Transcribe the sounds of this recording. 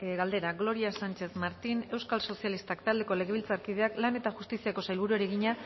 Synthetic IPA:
ɣald̪e̞ɾaɣlo̞ɾiasant͡ʃe̞smaɾt̪ine̞wskalso̞sialist̪akt̪ald̪e̞ko̞le̞ɣ̞e̞βilt͡saɾkið̞e̞aklane̞t̪axust̪isiako̞sajlβuɾue̞ɾeɣiɲa

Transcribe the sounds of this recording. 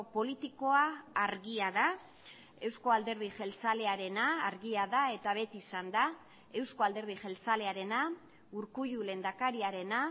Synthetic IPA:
po̞lit̪iko̞aːɾɣiaða | e̞wsko̞ald̪e̞ɾðiʝe̞lt͡sale̞aɾe̞naːɾɣiaðae̞t̪aβe̞t̪iːsand̪a | e̞wsko̞ald̪e̞ɾð̞iʝe̞lt͡sale̞aɾe̞na | uɾkuʝulend̪akaɾiaɾe̞na

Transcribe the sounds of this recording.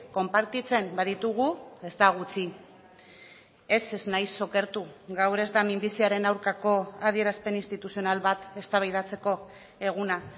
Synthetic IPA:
ko̞mpaɾt̪it͡se̞mbaðit̪uɣ̞ue̞zt̪aɣ̞ut͡si | e̞seznajso̞ke̞ɾt̪uɣawɾe̞zd̪amimbisiaɾe̞nawɾkako̞að̞ie̞ɾaspe̞ninst̪it̪usio̞nalβat̪e̞st̪aβajð̞at͡se̞ko̞ | e̞ɣ̞una

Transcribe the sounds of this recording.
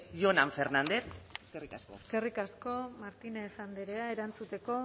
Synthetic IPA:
jonaɱfernand̪eθeskerikaskoeske̞rikasko̞maɾt̪inesand̪eɾeae̞ɾant͡sut̪e̞ko̞

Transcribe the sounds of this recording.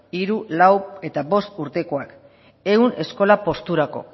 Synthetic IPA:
iɾulawe̞t̪aβo̞st̪uɾt̪e̞ko̞ak | e̞une̞sko̞lapo̞st̪uɾako̞̰

